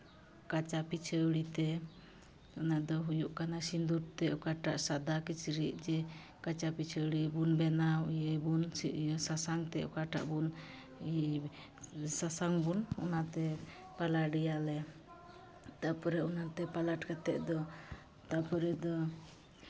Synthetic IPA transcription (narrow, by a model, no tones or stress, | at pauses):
kat͡ʃapit͡ʃʰəwɽit̪ɛ | ɔnad̪ɔɦujuʔkanasind̪uɾt̪ɛɔkaʈaʔsad̪akit͡ʃɾiʔ̚d͡ʒɛ | kat͡ʃapit͡ʃʰəwɽibunbɛnajebunjsasaŋt̪ɛʔɔ̰kaʈa̰ʔbun | sasaŋbunɔ̰nat̪ɛ | palaɖijalɛ | t̪apɔɾɛɔnat̪ɛpalaʈkat̪ɛʔd̪ɔ | t̪apɔɾɛd̪ɔ